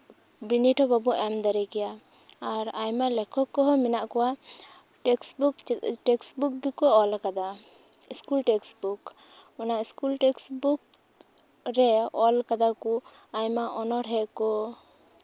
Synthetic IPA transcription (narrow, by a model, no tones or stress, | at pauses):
biniʈʰɔbabuʔɛmd̪aɾɛkɛjaː | ɾajmalɛkʰɔkːɔɦɔminaʔkɔwa | ksbukʈɛksbuk̚ɡikɔɔlkad̪a | iskulʈɛksbuk | ɔnaiskulʈɛksbuk | ɾɛɔlkad̪aku | ajmaʔɔnɔɾɦɛkɔ